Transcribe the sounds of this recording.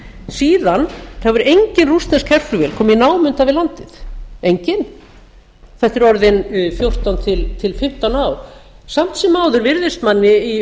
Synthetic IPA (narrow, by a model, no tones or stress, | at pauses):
siːðanθavʏɾejɲcɪnrust̪nɛskʰɛr̥flʏvɛːlkʰɔːminaːwmʏnt̪avɪlant̪ɪθejɲcɪn | θɛht̪ːɪɾɔɾðɪnfjowr̥t̪awnt̪ʰɪlt̪ʰɪlfɪm̥t̪awnaːwsam̥t̪sɛmːaːwðʏɾvɪɾðɪst̪manːɪi